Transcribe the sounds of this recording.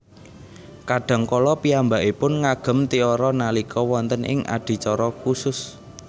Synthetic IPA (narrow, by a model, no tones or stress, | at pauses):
kaɖ̥a̤ŋkɔlɔpiambaʔipʊnŋaɡ̥ə̤mt̪iɔɾɔnalikʰɔwɔnt̪ənʔɪ̰ŋʔa̰ɖ̪̥i̤t͡ʃɔɾɔkusʊs